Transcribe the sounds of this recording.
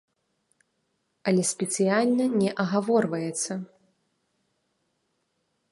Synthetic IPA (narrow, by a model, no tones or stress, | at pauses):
ɐlʲɛsʲpʲɛt̪sɨjalʲnɐnʲɛʔɐɣavɔrvɐjɛt̪sɐ